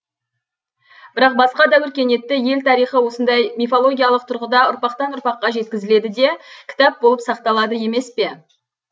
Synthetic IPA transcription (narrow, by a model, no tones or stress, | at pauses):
b̥ɪɾɑq̚bɑsqɑd̪ɑwʏɾkʲe̞ne̞t̪ːɪje̞lt̪ʰɑɾijχəwo̞sənd̪ɑjmʲifolˠo̞ɡʲijalˠəq̚t̪ʰʊɾʁəd̪ɑʊɾpɑqt̪ɑnʊɾpɑqːɑʒe̞t̪̚kʲɪzɪle̞d̪ɪd̪e̞kʲʰɪ̥t̪ɑp̚bo̞lˠəpsɑqt̪ɑlˠɑd̪əje̞me̞spe̞